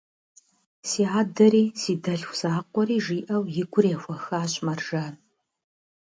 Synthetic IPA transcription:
siːʕaːdɐɾiːsiːdɐɬxʷsaːqʷɔɾiːʒiːʔɐwjɪɡʷʊrexʷɐxaːɕʼmɐrʒaː

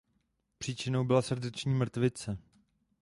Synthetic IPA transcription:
pr̥iːt͡ʃɪnowbɪlasr̩dɛt͡ʃɲiːmr̩t̪vɪt͡sɛ

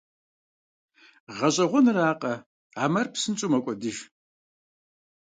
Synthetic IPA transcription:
ʁɐɕʼɐʁʷɔnɨraːqʼɐ | aːmɐrpsɨnt͡ʃʼumɐkʷʼɔdɨʒ

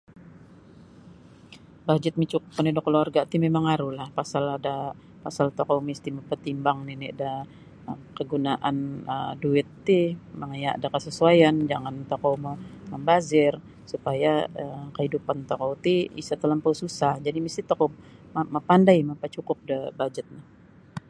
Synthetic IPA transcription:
bad͡ʒɪt̪̚mit͡ʃukʊpənidokəloarɡat̪imemaŋaɾuhlahpasalada | pasalt̪okowmist̪iməpərt̪imbaŋninida | əkəɡunaʔanə̰duɪt̪ːiməŋajaʔdakəsəsuajand͡ʒaŋant̪okowməməmbazɪr | supajaəkəhidupant̪okowt̪iḭsat̪ələmpawsusahd͡ʒadimist̪it̪okomaməpandajmapat͡ʃukʊp̚dəbad͡ʒət̪̚na

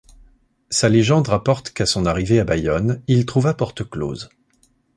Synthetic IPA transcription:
saleʒɑ̃d̪ʁapɔʁt̪kasɔ̃naʁiveabajɔnilt̪χuvapɔʁt̪əklo̰ːz

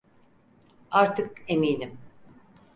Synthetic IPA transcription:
aɾt̪ʰɯkemiːnim

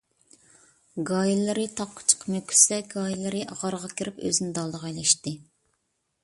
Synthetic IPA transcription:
ɡɑjilˠɨɾɨt̪ʰɑqʰːə̥t͡ʃʰə̥qmøkʲʰy̥sɛɡɑjilˠɨɾɨʔɑʁɑɾʁɑkʲiɾɪpø̰zɪnɪd̪ɑlˠd̪əʁɑjlˠɛʃt̪ɨ

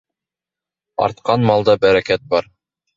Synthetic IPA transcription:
ɑ̰ɾt̪̚qɑnmɑlˠd̪ɑbæɾækæt̪̚bɑɾ

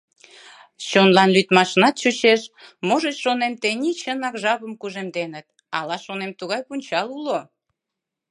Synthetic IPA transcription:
t͡ɕonlɑnlyt̪mɑʃnɑt̪t͡ɕut͡ɕeʃmoʒet͡ɕʃonemt̪enʲit͡ɕənɑkʒɑβəmkuʒemd̪enət̪̚ | ɑ̰lɑʃonemt̪uɣɑjpunʲt͡ɕɑlulo

